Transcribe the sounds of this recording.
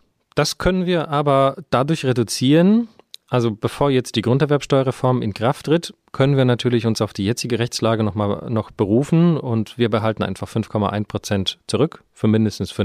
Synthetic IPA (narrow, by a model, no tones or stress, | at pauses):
d̥askʰœnənviːɐʔaːbɐd̥adʊɐçʁedut͡siːʁən | ʔalzob̥əfoːɐjɛt͡std̥iːɡʁʊntɛɐvɛɐpsʃtɔʏɐʁefɔɐmɪ̰nkʁ̥aftʁ̥ɪt | kʰœnənviːɐnatʰyːɐlɪçʊnsaʊfd̥iːjɛt͡sɪɡəʁɛçt͡slaːɡənɔχmaːlnɔχb̥əʁuːfn̩ʊntv̥iːɐbəɦaltn̩ʔa̰ɪnfaχfʏnfkʰɔma̰ʔaɪnpʁ̥ot͡sɛntt͡suʁʏk | fyːɐmɪndəstn̩sfʏ